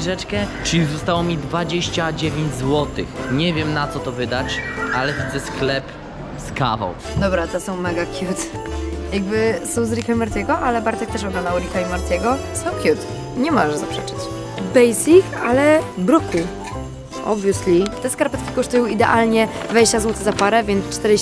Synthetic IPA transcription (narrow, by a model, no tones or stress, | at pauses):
ʐɛt͡ʂkɛt͡ʂɘlʲizɔst̪awɔmʲid̪vad͡ʑeɕt͡ɕad͡ʑevʲeɲd͡ʑzwɔt̪ɘxɲɛvʲjɛmnat̪sɔt̪ɔvɘd̪at͡ɕalɛvʲid̪zɛsklɛp | skava̰w | d̪ɔbɾat̪ɛsɔ̃w̃mɛɡakʲjut̪jaɡ̚bɘsɔ̃w̃zɾikaimaɾt̪ʲɛɡɔʔalɛbaɾt̪ɛk̚t̪ɛʂ̬ɔɡlɔnd̪awɾikaimaɾt̪ʲɛɡɔ | sɔ̃w̃kʲjut̪ | ɲɛmɔʐɛʐzapʂɛt͡ʂɘ̥t͡ɕ | bɛjsʲikalɛbɾɔku | ʔɔ̰bvʲjuslʲit̪ɛskaɾpɛt̪kʲi̥kɔʂt̪ujɔ̃w̃id̪ɛ̰ʔalɲɛd̪vad͡ʑeɕt͡ɕazwɔt̪ɛɣzapaɾɛvʲjɛnt̪st͡ʂt̪ɛɾ